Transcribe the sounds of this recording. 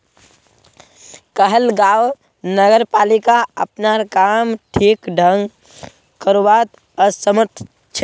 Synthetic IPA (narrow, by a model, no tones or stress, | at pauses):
kəɦəlɡaw | nəɡəɾpalikaəpnaɾkamʈʰikɖʱəŋɡ | kəɾubat̪ | əsəməɾt̪ʰ | t͡ʃʰe